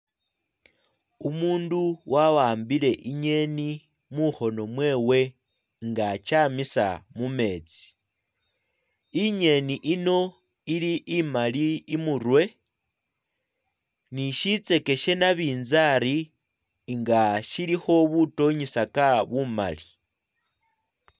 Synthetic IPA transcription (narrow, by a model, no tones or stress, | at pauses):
umuːnduwʔawaːmbile̞ʔiɲe̞ni | muxo̞no̞mwe̞ːwe̞ | ŋɡat͡ʃamisa̰mume̞ːt͡si̥ | iɲe̞niʔino̞ | iliʔːmaliːmuɾwe̞ | niʃit͡se̞ke̞ʃe̞naβiːnzaɾi | ŋɡaʃilixo̞βuto̞ɲisakaβuma̰li